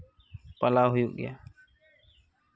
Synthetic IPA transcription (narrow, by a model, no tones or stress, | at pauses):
pəlaːɦʊjuːɡɪ̰ja̰ː